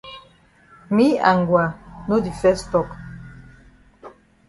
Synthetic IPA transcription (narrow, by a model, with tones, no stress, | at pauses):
mi˦a˨ŋɡwa˨nu˦d̪i˨fɛ˦stɔ˨k